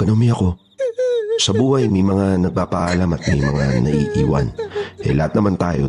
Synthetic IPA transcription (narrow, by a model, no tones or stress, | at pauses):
ɡ̥ɐnomiɐko̞ | sɐbuːhɐjmɐjmɐŋanɐɡ̚paːpɐʔalamɐt̪̚mɐjmɐŋanɐʔiːʔiːwɐ̰nʔɛ̰lɐhat̪nɐmant̪aːjo̞̰